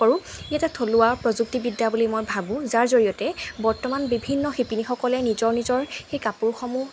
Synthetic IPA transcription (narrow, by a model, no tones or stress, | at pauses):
ɔɹʊ̃ijatɛtʰolʊaɹpɹɔzuk̚tibidːabulimojbʱabʊ̃zaɹzoɹijɔtɛbɔɹtɔmanbibʱinːɔxipinixɔkɔlɛnizɔɹnizɔɹxejkapuɹxɔmu